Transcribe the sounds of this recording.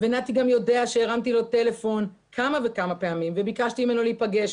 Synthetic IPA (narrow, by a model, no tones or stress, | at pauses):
ve̞nat̪iɡamjo̞de̞aʃeeʁamt̪ilo̞te̞le̞fo̞n | kʰamave̞kamape̞amimve̞bikaʃt̪iime̞no̞leipaɡe̞ʃ